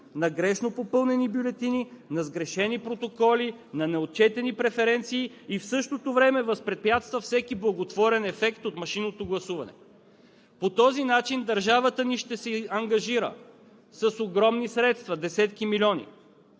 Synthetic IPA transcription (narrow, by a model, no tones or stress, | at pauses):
nɐɡɾɛʃnopopɤlˠnɛnibjʊlɛt̪ininɐzɡɾɛʃɛnipɾot̪okɔlinɐnɛot̪̚t͡ʃɛt̪ɛnipɾɛfɛɾɛnt̪siː | fsɤʃt̪ot̪ovɾɛmɛvəspɾɛt̪̚pjat̪st̪vəfsɛkiblˠɐɡot̪vɔɾɛnɛfɛkt̪ot̪mɐʃinot̪oɡlˠɐsuvɐnɛ̰ | pot̪ɔzinat͡ʃind̪ɐɾʒavət̪əniʃt̪ɛsɛɐŋɡɐʒiɾə̰ | sɐsoɡɾɔmnisɾɛt̪st̪vɐd̪ɛsɛt̪kimilʲɔnḭ